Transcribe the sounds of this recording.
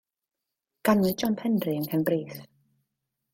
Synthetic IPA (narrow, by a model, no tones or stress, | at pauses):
ɡ̥anɨd͡ʒɔmpʰɛndrɨəŋkʰɛnbriːθ